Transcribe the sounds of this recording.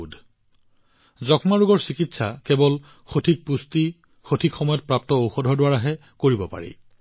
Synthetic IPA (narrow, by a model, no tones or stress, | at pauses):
d | zɔkmaɹuɡɔɹsikitsakɛbɔl | xotʰik̚pusti | xotʰikxɔmɔjɔt̚pɹap̚tɔowxɔdʱɔdʊwaɹaɦɛ | koɹibɔpa̰ɹḭ